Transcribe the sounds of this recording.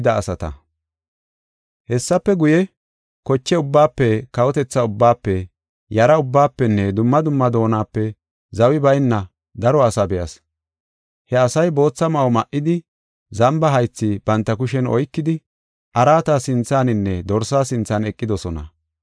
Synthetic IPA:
d̪ɐːsɐt̪ɐ̰ | hɛsːɐpːɛɡʊjɛ | kɔt͡ʃːɛʊbːaːpːɛkɐwɔt̪ɛt͡sːɐʊbːaːpːɛ | jɐɾɐʊbːaːpːɛnːɛd̪ʊmːɐd̪ʊmːɐd̪o̞ːnaːpːɛ | zɐwɪbɐjnːɐ | d̪ɐɾɔɐsɐbɛjɐs | hɛɐsɐjbo̞ːt͡sːɐmɐwɔmɐʔɪd̪ɪ | zɐmbɐɦɐjt͡sːɪb̥ɐnt̪ːɐkʊʃɛnɔ̰jkːɪd̪ɪ | ʔɐɾaːt̪ɐsɪnt͡sːaːnɪnːɛd̪ɔɾsaːsɪnt͡sːɐnɛkʼːɪd̪ɔsɔnɐ̰

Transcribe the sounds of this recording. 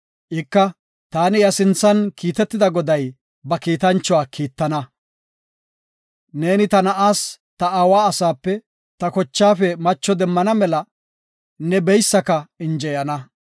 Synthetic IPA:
ʔɪkːɐ | t̪aːnɪjɐsɪnt͡sːɐnkiːt̪ɛt̪ːɪd̪ɐɡɔd̪ɐj | bɐkiːt̪ɐnt͡ʃːɔwaːkʰiːt̪ːɐnɐ | ne̞ːnɪt̪ɐnɐʔaːs | t̪ɐaːwaːɐsaːpːɛ | t̪ɐkɔt͡ʃːaːfɛmɐt͡ʃːɔd̪ɛmːɐnɐmɛlɐ | nɛbɛjsːɐkɐɪnd͡ʒɛjɐnɐ

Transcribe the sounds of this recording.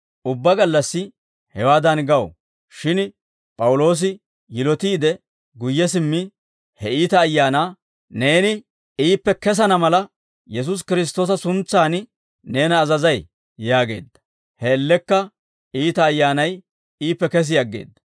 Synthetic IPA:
ʔʊbːɐɡɐlːɐsːɪ | hɛwaːd̪ɐnɡɐw | ʃɪn | pʼɐwʊlo̞ːs̬ɪ | jɪlɔt̪iːd̪ɛ | ɡʊjːɛs̬ɪmːɪ | hɛiːt̪ɐːjːaːnaː | ne̞ːnɪ | iːpːɛkɛs̬ɐnɐmɐlɐ | jɛs̬ʊs̬kɪɾɪs̬t̪o̞ːsɐsʊnt͡sːaːn | ne̞ːnɐːzɐzɐj | jaːɡe̞̰ːd̪ːɐ̥ | hɛːlːɛkːɐ | iːt̪ɐːjːaːnɐj | iːpːɛkɛs̬ɪjɐɡːe̞̰ːd̪ːɐ̥

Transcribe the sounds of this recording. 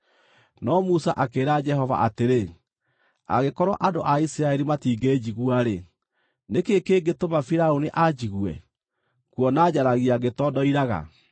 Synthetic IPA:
nɔmusaʔakeːɾad͡ʒɛɦɔva̰ʔateɾe | a̰ɣekɔɾwa̰ʔadoʔaisiɾaɛɾimatiːɡeːd͡ʑiɣuaɾe | nekekeɡetomafiɾaoniʔad͡ʑiɣwɛ̰ | kwɔnaːd͡ʑaɾaɣiaɡetɔdɔiɾaɣa̰

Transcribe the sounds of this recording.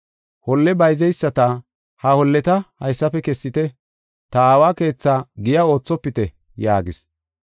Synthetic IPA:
hɔlːɛbɐjzɛjsːɐt̪ɐ | hɐhɔlːɛt̪ɐhɐjsːɐpɛkɛsːɪt̪ɛ | t̪ɐaːwaːke̞ːt͡sːaːɡɪjao̞ːt͡sːɔpːɪt̪ɛ | jaːɡɪs

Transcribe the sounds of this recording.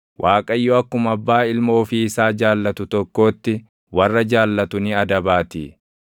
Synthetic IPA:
wʔaːkʼɐjːɔɐkːʊmɐbːaːɪlmo̞ːfɪːsaːd͡ʒaːlːɐt̪ʊt̪ɔkːo̞ːt̪ːɪ | wɐrːɐd͡ʒaːlːɐt̪ʊnɪɐd̪ɐbaːt̪ḭ

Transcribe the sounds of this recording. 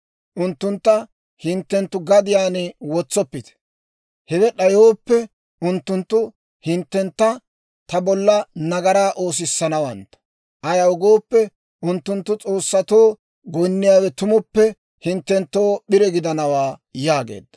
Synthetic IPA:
ʔʊnt̪ːʊnt̪ːɐ | hɪnt̪ːɛnt̪ːʊɡɐd̪ɪjaːnɪwɔt͡sːɔpːɪt̪ɛ̥ | hɛɡɛɗɐjoːpːɛ | ʊnt̪ːʊnt̪ːʊ | hɪnt̪ːɛnt̪ːɐ | t̪ɐbɔlːɐnɐɡɐɾaːʔo̞ːs̬ɪsːɐnɐwɐnt̪ːɐ̥ | ʔɐjɐʊɡoːpːɛ | ʔʊnt̪ːʊnt̪ːʊt͡sʼo̞ːsːɐt̪o̞ː | ɡɔjnːɪjaːwɛt̪ʊmʊpːɛ | hɪnt̪ːɛnt̪ːo̞ːɓɪɾɛɡɪd̪ɐnɐwaːjaːɡḛːd̪ːɐ̥

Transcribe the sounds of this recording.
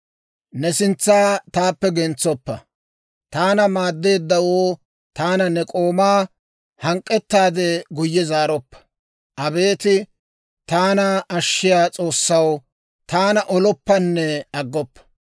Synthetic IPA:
nɛsɪnt͡sːaːt̪aːpːɛɡɛnt͡sːɔpːɐ | t̪aːnɐmaːd̪ːe̞ːd̪ːɐwoː | t̪aːnɐnɛkʼo̞ːmaː | hɐŋkʼːɛt̪ːaːd̪ɛɡʊjːɛzaːɾɔpːɐ̥ | ʔɐbe̞ːt̪ɪ | t̪aːnɐʔɐʃːɪjaːt͡sʼo̞ːsːɐw | t̪aːnɐʔɔlɔpːɐnːɛɐɡːɔpːɐ̥

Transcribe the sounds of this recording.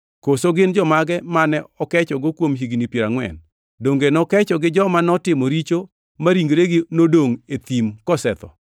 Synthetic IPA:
kosoɡɪnd͡ʒɔmaɡɛmanɛɔkɛt͡ʃɔɡokwomɦiɡnipjeɾaŋwɛ̰n | doŋɡenɔkɛt͡ʃɔɡɪd͡ʒɔmanɔtɪmɔɾit͡ʃo | maɾiŋɡɾeɡɪnodoŋet̪imkɔsɛt̪ɔ̰

